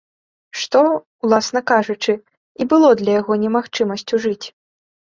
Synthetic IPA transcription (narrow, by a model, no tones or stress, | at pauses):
ʂt̪ɔ | wlˠasnɐkaʐut͡ʂɨ | ibɨlˠɔd̪lʲɐjaɣɔnʲɛmaxt͡ʂɨmɐsʲt͡sʲuʐɨt͡sʲ